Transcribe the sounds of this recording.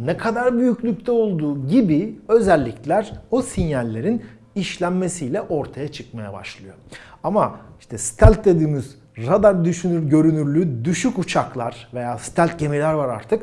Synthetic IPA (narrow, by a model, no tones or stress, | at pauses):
nɛkʰad̪aɾbyjyclʲyc̚ʲt̪ʰɛo̞lˠd̪uːɟibiø̞zælʲːiclʲæɾosinjalʲːe̞ɾin | iʃlʲæmme̞sijlʲɛʔo̞ɾt̪ʰajat͡ʃʰɯ̥kmaja̰ba̰ʃlˠɯjo̞̰amaiʃt̪ʰɛst̪ʰælʲt̪̚d̪e̞d̪iːmiz | ɾad̪aɾd̪yʃynyɾɟø̞ɾynyɾlʲyd̪yʃycut͡ʃʰaklˠaɾ̥ve̞jaːsi̥t̪ʰælʲt̪̚ɟe̞milʲæɾvaɾa̰ɾt̪ʰɯk